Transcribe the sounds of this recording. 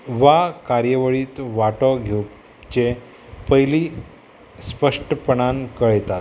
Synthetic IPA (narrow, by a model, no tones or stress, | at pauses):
ʋakaɾjəʋəɭiːt̪ʋaʈɔɡʱe | t͡ɕe | pəɦjli | spəʂʈəpəɳankəɭjt̪at̪